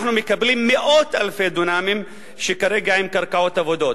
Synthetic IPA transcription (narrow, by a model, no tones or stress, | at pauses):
ħnumekablimːeʔot̪alfed̪unaːmim | ʃekaɾeɡaʕimkɐɾkaʕoːt̪avod̪ot̪